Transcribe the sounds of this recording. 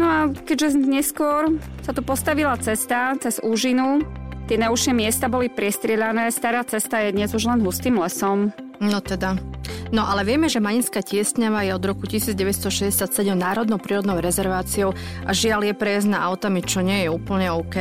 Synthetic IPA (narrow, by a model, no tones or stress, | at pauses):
nɔakɛɟʒɛɲɛskʊɔɾ | sat̪upɔst̪aʋilat͡sɛst̪at͡sɛz̥uːʒinut̪ɪɛnauʃɛmɪɛst̪abɔlipɾɪɛst̪ɾɪɛʎanɛːst̪aɾaːt͡sɛst̪ajɛd̪ɲɛzuʒlɛnɦust̪iːmlɛsɔmnɔt̪ɛd̪anɔʔalɛʋɪɛmɛʒɛmaɲinskaːcɪɛst̪ɲaʋajɛɔd̪ɾɔkucisiːd͡zɟɛʋɛst̪ɔʃɛzɟɛsjat̪sɛɟɛmnaːɾɔd̪nɔʊpɾiːɾɔd̪nɔʊɾɛzɛɾʋaːt͡siɔʊ | ʔaʒɪaljɛpɾɛjaznaʔaʊt̪amit͡ʃɔɲɪɛjɛuːpl̩ɲɛɔʊkɛ